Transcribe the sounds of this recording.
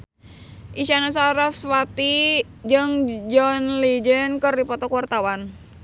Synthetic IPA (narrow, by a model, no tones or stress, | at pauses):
ʔiʃanas̬aɾaswat̪i | d͡ʒəŋd͡ʒɔnlid͡ʒənkərdipɔt̪ɔkuwart̪awan